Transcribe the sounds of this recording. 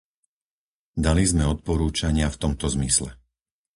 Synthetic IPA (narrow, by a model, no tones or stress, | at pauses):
d̪alizmɛɔt̪̚pɔɾuːt͡ʃaɲɪaft̪ɔmt̪ɔzmislɛ̰